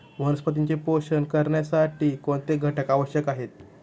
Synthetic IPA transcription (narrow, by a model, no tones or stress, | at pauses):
ʋənəspət̪iɲt͡ɕepoɕənkəɾɳjasaʈiːkoɳt̪eɡʱəʈəkaʋəɕjəkaɦet̪̚